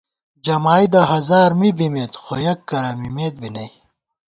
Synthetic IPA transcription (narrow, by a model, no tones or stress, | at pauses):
d͡ʑɐmaːid̪ɐɦɐzaːɾmibimeːt̪xojɐkːɐɾɐmimeːt̪̚binɐj